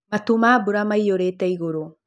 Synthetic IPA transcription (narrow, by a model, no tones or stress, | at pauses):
matumaːbuɾamaijoɾetaiɣoɾo